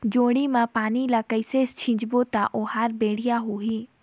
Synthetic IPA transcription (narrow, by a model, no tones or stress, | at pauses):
d͡ʒoːɽimãpaːnilakəɪsest͡ʃʰɪ̃d͡ʒbot̪aʔoːɦaːɾbeːɽ̤ɪjaɦoːɦiː